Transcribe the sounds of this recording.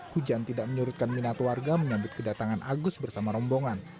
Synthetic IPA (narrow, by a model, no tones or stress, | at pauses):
hud͡ʒant̪idaʔ̚məɲuɾʊt̪̚kanminat̪warɡaməɲabʊt̪̚kədat̪aŋanʔaɡʊsbərsamaɾɔmboŋan